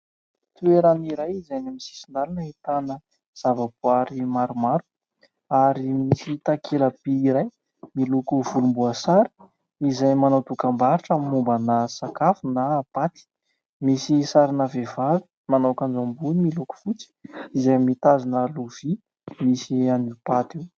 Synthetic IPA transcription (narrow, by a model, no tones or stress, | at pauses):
t̪ueɾaniɾajizajnamisi̥sind̪alanəɦit̪anə | z̥avapuaɾimaɾumaɾu̥ | aɾimisit̪akʰelab̥iiɾaj | milukuvulumbuəsaɾi̥ | izajmanawt̪ukambaɾiʈ͡ʂamumbənəsakafunapat̪i̥ | misisaɾinavevaɾi̥ | manawkand͡ʒambunimiluku̥fut͡si̥izajmit̪azinəluv̥i | misianupat̪iw